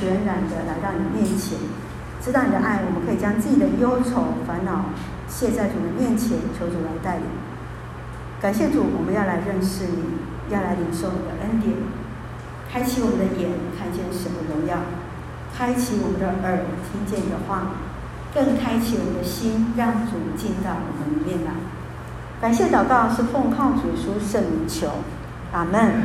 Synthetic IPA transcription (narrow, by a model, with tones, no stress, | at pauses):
ɥɛ˧˥nɻa˨˩nd̪ə˦la˧ɪɻɑ˥˩ŋni˨˩ə˦mjɛ˥˩nt͡ɕʰjɛ̰˨˩˦n | ʈ͡ʂɻ̩˧˥ɑ˥˩ʊni˨˩d̪ə̰˦ʔa˥˩ɪwɔ˨˩mə˦nkʰɤ˧˥i˨˩t͡ɕjɑ˥ŋt͡sɹ̩˥˩t͡ɕi˨˩d̪ə˦jo˥ʊt͡sʰo˧˥˩ʊfa˧˥nnɑ˨˩ʊ | ɕjɛ˥˧t͡sa˥˩ɪʈ͡ʂu˨˩d̪ə˧˦mjɛ˥˩nt͡ɕʰjɛ˨˧˥nt͡ɕʰjo˧˥ʊʈ͡ʂu˨˩la˧ɪt̪a˥˩ɪlḭ˨˩˦ŋ | ka˨˩nɕ̬jɛ˥˩ʈ͡ʂu˨˩wɔ˨˩mə˦njɑ˥˩ʊla˧˥ɪɻə˥˧nʂɻ̩˥˩ni˨˩˦ | jɑ˥˩ʊla˧˥ɪli˧˥ŋʂo˥˩ʊwɔ˨n̩imə˩d̪ə̰˦ʔə˥nt̪jɛ˨˩˦n | kʰa˥ɪt͡ɕʰi˧˥wɔ˨˩mə˧˦nd̪ə˧jɛ˨˩˦nkʰa˥˧nt͡ɕjɛ˥˩nʂə˧˥nmə˧ɻʊ˧˥ŋjɑ˥˩ʊ | kʰa˥ɪt͡ɕʰi˧˥wɔ˨˩mə˦nd̪ə˧ʔə˨˩˦t̪ʰi˥ŋt͡ɕjɛ˥˩ni˨˩d̪ə˦xwa˥˩ | kə˥˩ŋkʰa˥ɪt͡ɕʰi˧˥wɔ˨˩mə˦nd̪ə˧ɕi˥nɻɑ˥˩ŋʈ͡ʂu˨˩t͡ɕi˥˧nt͡sa˥˩ɪwɔ̰˨˩mə˦nə˧mjɛ˥˧nla̰˥˩ | ka˨˩nɕjɛ˥˩t̪ɑ˨˩ʊkɑ˥˧ʊʂɻ̩˥˧fo˥˧ŋkʰɑ˥˩ŋt͡su˨˩ʂu˥ʂə˥˩ŋli˧˥ŋt͡ɕʰjo˧˥ʊ | a˨˩mə˥˩n